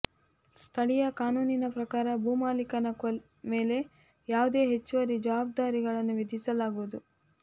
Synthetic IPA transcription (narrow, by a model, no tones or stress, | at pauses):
st̪ʰɐɭijɐkaːnuːninɐpɾɐkaːɾɐbuːmaːlikɐnɐkɐ | me̞ːle̞ | jaːʋud̪e̞ːɦet͡ʃːuʋɐɾid͡ʒaːb̚d̪aːɾiɡɐɭɐnːuʋid̪ʱisɐlaːɡuʋud̪u